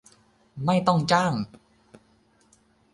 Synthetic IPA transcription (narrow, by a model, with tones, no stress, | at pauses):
ma˥˩jt̪ɔ˥˩ŋt͡ɕaː˥˩ŋ